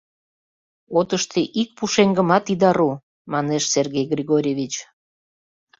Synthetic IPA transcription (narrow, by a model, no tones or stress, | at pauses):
ot̪əʃt̪ʰeʔik̚puʃeŋɡəmɑt̪id̪ɑɾu | mɑneʃserɣejɡrʲiɣoɾʲevʲit͡ɕ